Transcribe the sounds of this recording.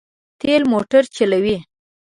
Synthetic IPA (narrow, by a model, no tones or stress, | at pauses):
t̪elmoʈaɾt͡ʃalawi